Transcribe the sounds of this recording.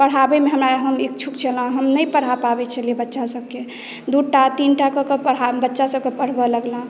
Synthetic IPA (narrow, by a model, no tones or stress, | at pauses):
pəɽ̤abemeɦəmɾaɦəmik̚t͡ʃʰukt͡ʃʰələ̃ɦəmnəjpəɽ̤apabɛt͡ʃʰəliebətːʃasəb̚ke | d̪uʈat̪inʈakəkəpəɽ̤abətːʃasəb̚kepəɽ̤bələɡlã